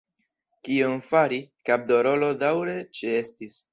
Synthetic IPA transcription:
kionfaɾikab̚d̪o̞ɾo̞lo̞dawɾe̞t͡ʃee̞stis

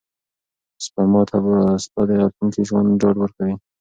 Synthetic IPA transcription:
spamɑt̪ʰabspad̪eat̪luŋkiʒwand̪ɖɑɖwəɾkawi

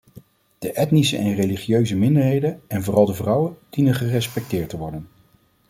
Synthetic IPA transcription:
d̥əʔɛtnisəʔɛnrejliχijøɥzəmɪndəɹɦejdənɛnvʊːrɑlˠdəvrʌwənd̥inəχərɛspɛk̚tɪːɹtəʋɔɹdən

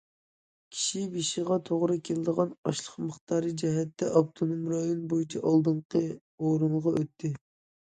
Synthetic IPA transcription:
kʲʰi̥ʃibiʃiʁɑt̪ʰoʁɾɨkʲʰelɪd̪əʁɑnɑʃlˠəχməχt̪ʰɑːɾɨd͡ʒɛɦɛt̪ːɛʔɑpt̪ʰonomɾɑjonbojit͡ʃʰɛʔɑlˠd̪ɨɴqʰə | oɾɨnʁɑʔøt̪ʰːɪ

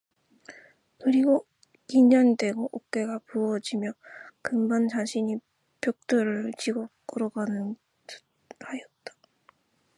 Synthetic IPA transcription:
kɯɾiɡo | iɲʌɲide̞ɡoʔok̚k͈e̞ɡapuʌd͡ʑimjʌkɯmbant͡ɕaɕʰiɲi | pjok̚t͈ʌɾɯɭt͡ɕiɡʌk͈ɯɾʌɡanɯn | ajʌt̚t͈ḁ

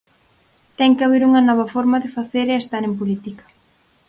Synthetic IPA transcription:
t̪ɛŋkɪaβeɾuŋɐnɔβ̞ɐfɔɾmaðɪfaθeɾeest̪aɾempolit̪ikɐ̥

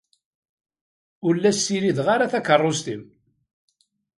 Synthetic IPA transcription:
ʊlːæsːiɾiðʁaɾaθækərˤːost̪im

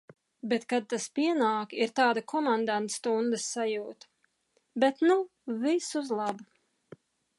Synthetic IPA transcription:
bet̪kad̪̚t̪ːaspiɛnaːkiɾt̪aːd̪akɔmand̪ant̪st̪und̪ɨsːajuːt̪ | bɛt̪nu | visuzlˠɑbu

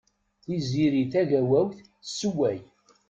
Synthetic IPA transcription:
θiziɾiθæʝæwæwθ | sːəwːæj

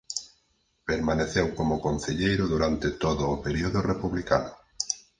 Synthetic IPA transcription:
peɾmaneθewkomʊkon̟θeʎejɾʊðuɾant̪et̪oðʊːpeɾioðʊrepuβlika̰nʊ

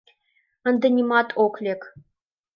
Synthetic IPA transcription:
ə̆nd̪ɤ̆nʲimɑt̪ʰoklʲek

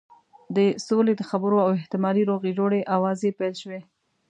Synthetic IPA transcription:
d̪əsoled̪əxabəɾoawɪht̪ɪmɑɾiɾoɣed͡ʒoɽeʔawɑzepajlʃwe

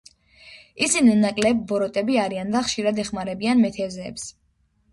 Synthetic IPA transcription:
isininakʼlɛbːɔɾɔt̪ʼɛbiaɾiand̪aχʃiɾad̪ɛχmaɾɛbianmɛt̪ʰɛzɛːps

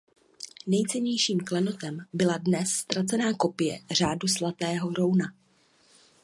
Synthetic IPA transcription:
nɛjt͡sɛɲɛjʃiːmklɛno̞t̪ɛmbɪladnɛsːt̪ɾat͡sɛnaːko̞pɪjɛ̰r̝aːduslat̪ɛːɦo̞ɾo̞wna

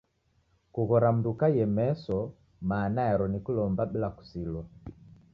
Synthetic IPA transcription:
kuɣɔɾam̩dukajɛmɛsɔ | maːnaɛɾɔnikulɔmbabilaku̥silɔ

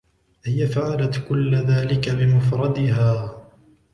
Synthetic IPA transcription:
ʔɪjafʕalat̪kʊlːðaːlɪkabɪmʊfɾˤɑd̪ɪɦaː

